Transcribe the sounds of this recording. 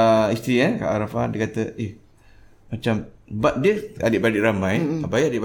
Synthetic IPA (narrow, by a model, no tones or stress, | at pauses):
ist̪ɾiaka̰ʔaɾafadiəkat̪əeh | mat͡ʃambat̪̚diəa̰diʔbadiʔɾamajabajiadiʔb